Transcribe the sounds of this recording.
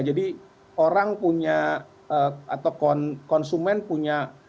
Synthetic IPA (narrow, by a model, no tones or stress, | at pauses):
d͡ʒadi | oɾaŋpuɲa | əat̪awkɔnkɔnsumɛnpuɲa